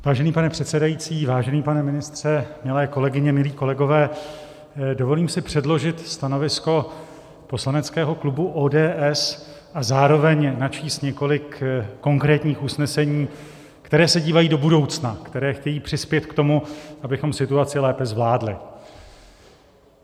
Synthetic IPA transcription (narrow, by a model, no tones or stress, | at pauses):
vaːʒɛniːpanɛpr̥ɛt̪sɛdajit͡siːvaːʒɛniːpanɛmɪnɪst̪r̝̥ɛmɪlɛːko̞lɛɡɪɲɛmɪliːko̞lɛɡo̞vɛː | do̞vo̞liːmsɪpr̝̥ɛdlo̞ʒɪt̪st̪ano̞vɪsko̞ | po̞slanɛtt͡skɛːɦo̞klubuʔoːdɛːʔɛs | ʔazaːɾo̞vɛɲnat͡ʃiːst̪ɲɛko̞lɪkːo̞ŋkɾɛːt̪ɲiːxusnɛsɛɲiː | kt̪ɛɾɛːsɛɟiːvajiːdo̞budo̞wt͡snakt̪ɛɾɛːxcɛjiːpr̝̥ɪspjɛt̪kt̪o̞muʔabɪxo̞msɪt̪uat͡sɪlɛːpɛzvlaːdlɪ̰